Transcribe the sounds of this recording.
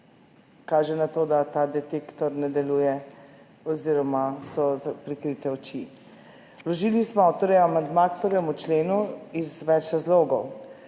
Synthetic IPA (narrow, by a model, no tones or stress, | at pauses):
kaːʒɛnat̪oːd̪at̪aːd̪ɛt̪ekt̪ɔɾnɛd̪ɛluːjɛ | ɔziɾɔmasɔzpɾikɾit̪ɛɔt͡ʃi | lɔʒiːlnismɔawt̪ɔɾɛamand̪makpəɾʋɛmut͡ʃleːnuizʋɛt͡ʃɾazloːɡɔw